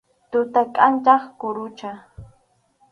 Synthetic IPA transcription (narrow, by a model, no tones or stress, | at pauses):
t̪ʊt̪akʼant͡ʃaχkʊɾʊt͡ʃa